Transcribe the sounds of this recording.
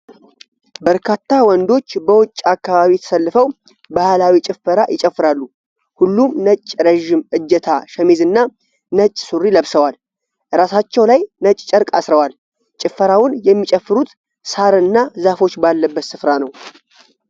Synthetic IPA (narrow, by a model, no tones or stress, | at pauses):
bəɾkʰat̪ːawɔnd̪o̞t͡ʃːbəwʊt͡ʃʼːakːaβaβijɛt̪ʰə̥səlːɨfəw | bahlawit͡ʃʼɪfːəɾajɪt͡ʃʼəfːɨɾalːu | hulːumnət͡ʃʼːɾəʒɪmʔɨd͡ʒːɛt̪ʰaʃɛmizɨnːa | nət͡ʃʼːsuɾːiləβsəwal | ɾasat͡ʃːɛwlajnət͡ʃʼt͡ʃʼəɾkʼa̰sɾəwal | t͡ʃʼɪfːəɾawʊnjɛmːit͡ʃʼəfːɨɾut̪ | saɾɨnːazafo̞t͡ʃːbalːəbːət̪sɨfɾanəw